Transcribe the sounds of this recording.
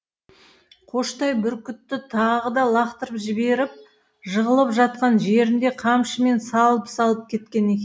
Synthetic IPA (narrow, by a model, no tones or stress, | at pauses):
qʰo̞ʃt̪ɑjbʏɾkʲʏt̪ːɪt̪ʰɑʁəd̪ɑlˠɑqt̪əɾəpʒɪbe̞ɾɪp̚ | ʒəʁəlˠəpʒɑt̪̚qɑnʒe̞ɾɪnd̪e̞qʰɑmʃəme̞nsɑlˠəpsɑlˠəp̚kʲʰe̞t̪kʲe̞ne̞kʲe